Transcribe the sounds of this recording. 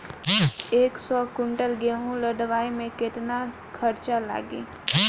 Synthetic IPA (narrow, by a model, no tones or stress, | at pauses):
eːksɔkʊɳʈəlɡeɦũləɖʋaːimẽkɪt̪na | kʰɐɾt͡ʃala̰ːɡḛː